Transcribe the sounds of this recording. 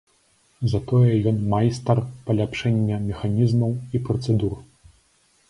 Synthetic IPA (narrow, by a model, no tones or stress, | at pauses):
zɐt̪ɔjɛjɔnmajst̪ɐrpɐlʲapʂɛnʲːɛmʲɛxanʲizmɐwipɾɐt̪sɛd̪ur